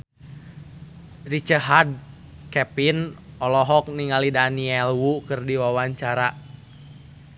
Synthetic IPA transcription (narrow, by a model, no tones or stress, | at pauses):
rit͡ʃəɦad̚ | kɛpinɔlɔɦɔk̚niŋalidaniɛlwukɨrdiwawaɲt͡ʃaɾa